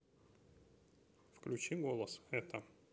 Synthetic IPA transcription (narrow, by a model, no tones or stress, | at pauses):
fklʲʉt͡ɕiɡolˠəsɛt̪ə